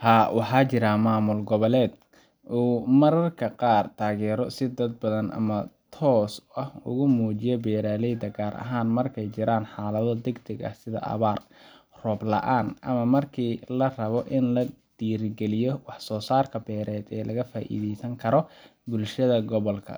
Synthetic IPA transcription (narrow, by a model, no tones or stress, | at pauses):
haːwɑħɑːt͡ʃɪɾɐmaːmʊlɡɔβɐlɛːd̪̚ | ʔuːmɐɾɐrkʰɐqɑːrt̪ʰaːɣɛːɾɔsɪd̪ɐd̪̚bɐðɐnʔɐ̰mɐt̪ʰɔːsɐhʊ̰ɣʊmuːt͡ʃɪjɔbɛːɾaːlɛjd̪ɐɡaːɾʔɐ̰ɦaːnmɐrkʰɛjt͡ʃɪɾaːnħaːlɐðɔd̪ɛɡd̪ɐɡɐ̰hsɪðɐ̰ʔɐ̰βaːr | rɔblɐ̰ʔaːnʔɐmɐmɐrkʰiːlɐrɐβɔʔɪnlɐd̪̥iːɾɡɛlɪjɔwɑħsɔːsaːrkʰɐbɛːɾɛːd̪ɛːlɐɣɐfaːʔḭːðɛjsɐŋkʰɐɾɔbʊlʃɐðɐɡɔβɔlkʰɐ̰